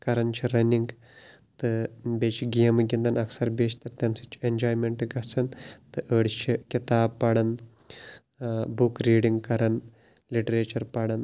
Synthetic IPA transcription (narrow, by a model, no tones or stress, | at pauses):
kɐɾɐnt͡ʃʰiɾɐnʲiŋɡ | t̪ɨbeːt͡ʃʰiɡiːɐmɨɡʲind̪ɐnɐksɐɾbeːt͡ʃʰt̪ɐɾt̪ɐmsit͡ʃʰi̥end͡ʒoːjmeɳʈɡɐsɐnt̪ɨʔəːɽt͡ʃʰikʲit̪aːb̚pɐɽɐn | bukɾiːɖiŋɡkɐɾɐn | liʈɐɾeːt͡ʃɐɾpɐɽɐn